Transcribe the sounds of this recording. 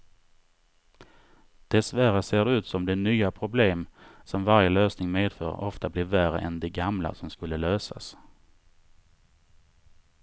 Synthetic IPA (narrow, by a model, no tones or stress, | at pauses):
d̪̥ɛsvæɾaseːɖɛʉ̟ːt̪sɔmd̪ɛnyːapʰɾʊbleːmsɔmvaɾjəløːsnɪŋmeːd̪fœ̰ːɾɔft̪ablɪɾvæɾə̰ʔɛnd̪ɛɡamla̰sɔmskɵlːəløːsa̰s